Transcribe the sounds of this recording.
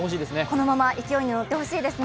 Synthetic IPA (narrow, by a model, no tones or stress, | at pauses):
oɕ̬iːd̪esɨneko̞no̞mamaʔikʲijo̞iɲ̟ino̞t̪ːe̞ho̞ɕiːd̪e̞sɨn